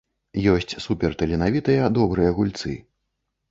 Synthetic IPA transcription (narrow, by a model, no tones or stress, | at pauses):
jɔsʲt͡sʲsupʲɛrt̪ɐlʲɛnavʲit̪ɐjɐd̪ɔbɾɨjɐɣulʲt̪sɨ̰